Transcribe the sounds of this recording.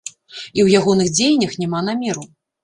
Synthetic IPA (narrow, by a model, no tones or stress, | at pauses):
iwjaɣɔnɨxd͡zʲejnʲɐxnʲɛmanamʲɛɾu